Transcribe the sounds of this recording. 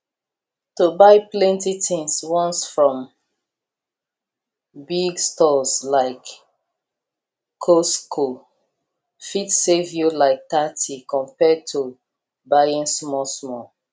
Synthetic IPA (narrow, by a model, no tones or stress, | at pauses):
tobaɪplɛ̃ntitɪ̃ŋswɔ̃nsfɹɔ̃m | biɡstɔslaɪk | oskʰo | fitsevjulaɪk̚tatʰikʰɔ̃mpɛd̚tʰu | bajĩnsmɔsmɔ